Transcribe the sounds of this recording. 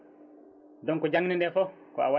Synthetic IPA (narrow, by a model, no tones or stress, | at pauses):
dɔŋkɔd͡ʒaŋnindɛfɔ | kɔ̰awa